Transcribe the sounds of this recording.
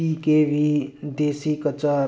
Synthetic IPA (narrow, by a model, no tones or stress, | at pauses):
ikebʱid̪esikət͡sa